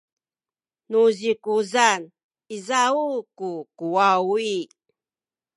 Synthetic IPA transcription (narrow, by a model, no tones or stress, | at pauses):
nuʑikuzan | izaukukuwawi